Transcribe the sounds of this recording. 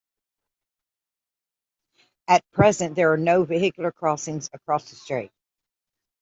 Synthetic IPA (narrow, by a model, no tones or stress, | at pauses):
ɨt̚pʰɹ̥ɛzɨ̃nðə˞ːnoʊvɨhɪkjl̩ˠə˞kʰɹ̥ɔsɪ̃ŋzɨkʰɹ̥ɔsðəstɹ̥iɪt̚